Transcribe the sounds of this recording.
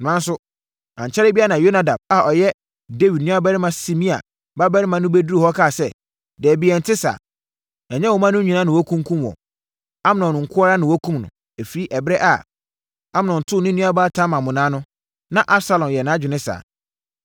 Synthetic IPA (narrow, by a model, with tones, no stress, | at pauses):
n˨nã˨˦n˦sʊ˦ | ã˨ɲ˨t͡ɕʰɛ˦ɾɪ˦bi˦a˦nã˨jo˦na˨da˨b̚a˨ʔɔ˨jɛ˦ | de˦wi˨d̚nĩ˦a˦bɛ˦ɾɪ˦mã˨si˨mĩ˦a̰˨ | ba˦bɛ˦ɾɪ˦mã˨nʊ̃˦be˦du˦ɾi˨hɔ˦kʰa˦˨sɛ˦˨ | dɛ˨bi˨ɛ˨n˨tʰɪ˦sa̰ː˨ | ɛ˨ɲɛ˦wɔ˨mã˦nʊ̃˦ɲĩ˨nã˦nɪ̃˨wɔ˦kʰũ˦ŋ˦kʰũ˦mwɔ̰̃˨ | a˦m˨nɔ̃˨n˨ŋ̩˨kʰʊ˦a˦ɾa˦nɪ̃˨wɔ˦kʰũ˦mnʊ̰̃˨ | æ˨fi˨˦ɾi˦ʔɛ˨bɪ˦ɛ˦ʔa˨ | a˦m˨nɔ̃˨n̩˨tʰʊ˦˨nɪ̃˦nĩ˦a˦baː˦tʰã˦mã˨mʊ̃˨nãː˦nʊ̃˦ | nã˨ʔa˦bsa˦lɔ̃˨njɛ˨nãː˨˦d͡ʑᶣɪ˨nɪ̃˦sa̰ː˨